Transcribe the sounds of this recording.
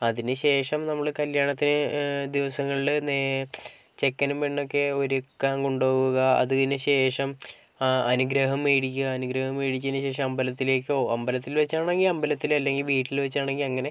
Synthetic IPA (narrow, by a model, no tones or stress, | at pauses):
ɐðinɨɕe̞ːʂɐmnɐmːɐɭɨkɐljaːɳɐt̪ːinɨd̪iʋɐsɐŋːɐɭiɭne | t͡ɕe̞kːɐnumʋeːɳːo̞kːe̞o̞ɾukːaːŋɡuɳɖoːɣuɣɐɐ̰ðuinɨɕe̞ːʂɐm | ɐnuɡɾɐɦɐmeːɽikʲːuɣɐːnuɡɾɐhɐmeːɽik̬ʲːnːɨɕe̞ːʂ̬ɐmɐmbɐlɐt̪ːile̞ːkːo̞ːɐmbɐlɐt̪ːilʋɐt͡ɕːaːɳe̞ŋɡilɐmbɐlɐt̪ːilɐlːe̞ŋɡilʋiːʈːilʋɐt͡ɕːaːɳe̞ŋɡilɐŋːɐne̞